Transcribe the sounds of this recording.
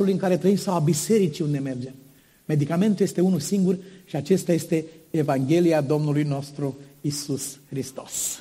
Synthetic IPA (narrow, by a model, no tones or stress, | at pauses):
ulujɨŋkaɾe̞t̪ɾəimsawabise̞ɾit͡ʃiund̪e̞me̞rd͡ʒe̞m | me̞d̪ikame̞nt̪uljest̪e̞unulsiŋɡurʃiat͡ʃe̞st̪aje̞st̪e̞ːvaŋɡʲe̞liad̪o̞mnulujno̞st̪ɾuisusxɾist̪o̞s